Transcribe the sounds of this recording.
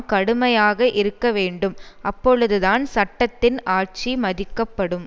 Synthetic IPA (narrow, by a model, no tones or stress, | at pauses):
kɐɽɯmɐjaːɣɐʔɪɾɯkːɐʋeːɳɖɯmʔɐpːɔɻɯðɯðaːnsɐʈːɐt̪ːɪnʔaːʈ̚t͡ʃimɐðɪkːɐpːɐɽɯm